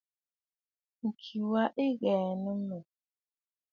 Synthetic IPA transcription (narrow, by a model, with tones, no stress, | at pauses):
ŋ̩˨kʰi˨wa˦ʔe˦ɣɛː˨nə˦nɔ˨